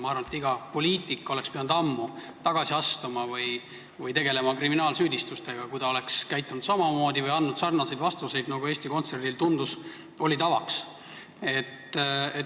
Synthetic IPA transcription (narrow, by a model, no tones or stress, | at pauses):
mɑɑrvɑnet̪iɡ̥ɑpo̞liːt̪ˑikːˑo̞le̞kspeɑnud̪̥ɑmːu | t̪ɑɡ̥ɑsiɑst̪umɑvɯj | vɯjt̪e̞ɡ̥e̞le̞mɑkriminɑːlsyːd̪ist̪ust̪eɡ̥ɑkujd̪̥ɑo̞le̞kskæjt̪ːˑunud̪̥sɑmɑmo̞ːd̪ivɯjɑnːud̪̥sɑrnɑsejd̪vɑst̪use̞jd̪nɑɡ̥ueːst̪iko̞nt̪se̞rd̪ilt̪und̪us | o̞lʲit̪ɑvɑks | e̞t̪ːe